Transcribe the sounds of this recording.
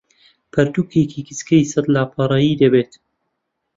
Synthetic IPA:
pʰɐɾt̪uːkekʰikɨskɐjsɐd̪laːpʰɑɾˤɑjiːd̪ɐbeːt̪

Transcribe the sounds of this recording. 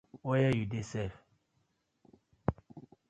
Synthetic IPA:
ojɛjudesɛf

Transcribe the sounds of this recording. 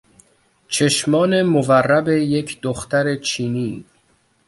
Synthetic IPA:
t͡ʃʰeʃmɒːne̞moværːæbe̞je̞cʰd̪̥oxt̪æɾe̞t͡ʃʰiːniː

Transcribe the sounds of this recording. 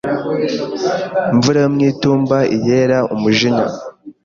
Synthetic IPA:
iɱvuɾajomŋiːtuːmbaije̞ːɾaʔumuʒiɲa̰

